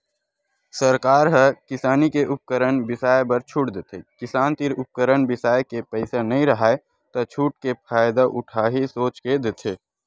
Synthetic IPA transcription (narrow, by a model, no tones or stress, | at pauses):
səɾkaːɾɦəkɪsaːnikeʔʊp̚kəɾəɳbɪsaːebəɾt͡ʃʰʊʈd̪et̪ʰekɪsaːnt̪ɪɾʊp̚kəɾəɳbɪsaːjekepɛɪsenɐɦĩɾɐɦaːe | t̪ot͡ʃʰuːʈ̚kepʰaːjd̪aʔʊʈʰaːɦisoːt͡ʃked̪et̪ʰeː